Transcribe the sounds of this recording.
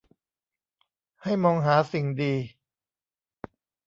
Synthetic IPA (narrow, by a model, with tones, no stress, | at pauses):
ha˥˩jmɔː˧ŋɦaː˩˦si˨˩ŋdiː˧